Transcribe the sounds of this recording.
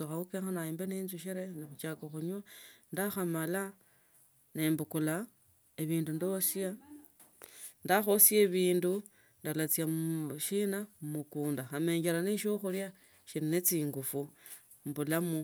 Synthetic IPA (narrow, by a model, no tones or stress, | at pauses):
oxaukeŋxanaiːmbeneːnzuʃiɾenexut͡ʃakoxuɲwandaxamala | ne̞mbukula | eβiːndundo̞sia | ndaxosjeβiːndu | ndalat͡siaʃinamumukuːndaxame̞ːɲɟeɾaneʃoxulja | ʃininet͡siːŋɡufu | mbulamu